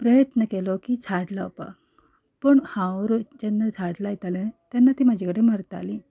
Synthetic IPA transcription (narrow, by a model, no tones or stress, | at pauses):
pɾəjət̪nəkelokiːt͡sʰaɽləpa̰ | pəɳhãwɾod͡ʑenːat͡sʰaɽlajit̪alẽt̪janːat̪iːmad͡ʑʱikəɽeməɾt̪a̰li